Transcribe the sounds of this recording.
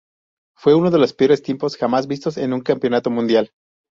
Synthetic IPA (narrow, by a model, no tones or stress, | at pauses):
fwe̞uno̞ð̞e̞lo̞speo̞ɾest̪jempo̞sxamazβist̪o̞se̞nũŋkampjo̞nat̪omũnd̪jal